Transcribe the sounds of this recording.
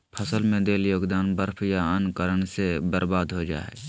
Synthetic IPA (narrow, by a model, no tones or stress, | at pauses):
pʰəsəlmẽd̪eːljoːɡd̪aːnbəɾpʰjaənkəɾənsebəɾbaːd̪ɦod͡ʒa̰ːḛː